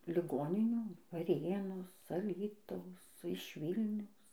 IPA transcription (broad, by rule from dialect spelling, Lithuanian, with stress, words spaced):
lʲɪˈɡoːnʲɪnʲuː ʋɐˈrʲeːnoːs ɐˈlʲiːtɐʊs ˈsʊ ɪʃ ˈʋʲiːlʲnʲɛʊs